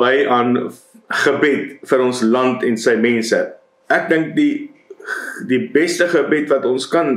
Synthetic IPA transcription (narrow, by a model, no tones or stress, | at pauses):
əjʔɐːn | χəbɛtfəɾɔnslɐntɛnsəjmɛnsə | æk̚dəŋk̚di | dibɛstəχəbɛtvɐtɔnskɐn